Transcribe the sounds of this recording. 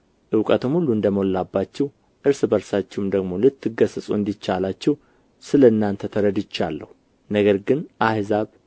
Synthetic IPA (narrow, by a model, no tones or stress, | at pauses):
ʔɨwkʼət̪ʰɨmhulːuɨnd̪əmolːabːat͡ʃːɛw | ʔɨɾsɨbəɾsat͡ʃːɛwmd̪əɡmo̞lɨt̪ʰːɨɡəsɨsʼuɨnd̪it͡ʃːalat͡ʃːɛw | sɨləɨnːant̪ʰət̪ʰəɾəd̪ɪt͡ʃːa̰lːə̰hu | nəɡəɾɡɨnʔahzaβ